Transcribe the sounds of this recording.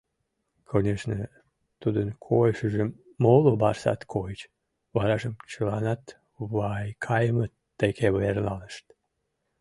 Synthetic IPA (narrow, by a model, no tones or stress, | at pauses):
kʰonʲeʃnə | t̪ud̪ənkʰojəʃəʒe | molobɑrsɑ̰t̪kʰojət͡ɕ | βɑɾɑʒəmt͡ɕəlɑnɑt̪ | βɑjkʰɑjəmət̪ːekʰeβəernɑləʃt̪